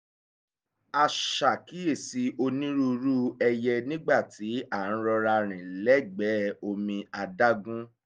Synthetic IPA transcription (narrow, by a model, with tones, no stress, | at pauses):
a˧ʃa˨ki˨˦e˦˨si˧˦o˧nĩ˦ɾu˦ɾu˦ɛ˧jɛ˧nĩ˦ɡ͡ba˦˨tʰi˨˦a˦˨ñ̩˦ɾɔ˧ɾa˧ɾ̃ĩ˨lɛ˦˨ɡ͡bɛ˨˦o˧mĩ˧a˧da˦ɡũ˦